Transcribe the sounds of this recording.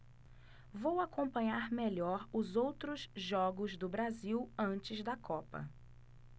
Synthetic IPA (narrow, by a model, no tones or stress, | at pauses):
vowakõpɐ̃ɲaɾmeʎɔɾʊzowt̪ɾʊzʒɔɡʊzd̪ʊbɾaziwɐ̃nt͡ʃɪzd̪ɐkʰɔpɐ̰